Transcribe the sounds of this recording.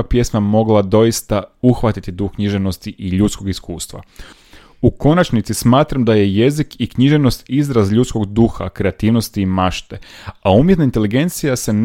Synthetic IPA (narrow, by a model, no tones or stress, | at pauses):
apje̞smamo̞ɡlˠad̪o̞jist̪auxʋat̪it̪id̪uxkɲiʒeʋno̞st̪iʔiʎut̪sko̞ɡiskuːst̪ʋa̰ | uko̞nat͡ʃnit̪sismaːt̪ɾamd̪aje̞je̞zikikɲiʒe̞ʋno̞st̪izɾazʎut̪sko̞ɡd̪uxa̰kɾe̞at̪iːʋno̞st̪iːmaʃt̪e̞aumjet̪naint̪e̞liɡe̞nt̪sijase̞n